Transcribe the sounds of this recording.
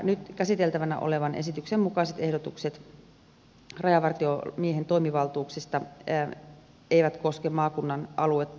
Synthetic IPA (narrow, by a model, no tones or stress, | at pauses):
nyt̪kæsit̪elt̪æʋænæ̰ʔo̰le̞ʋɑnʔḛsit̪yksemmukɑiset̪e̞hdot̪ukset̪ | rɑjɑʋɑrt̪iomieɦent̪o̞imiʋɑlt̪uːksest̪ɑ | ejʋæt̪ko̞skemmɑːkunːɑnʔɑluet̪ː